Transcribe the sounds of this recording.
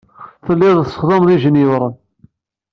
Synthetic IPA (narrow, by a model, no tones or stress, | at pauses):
θəlːiððəsˤːə̥χðɑmðiʒənəwɾˤən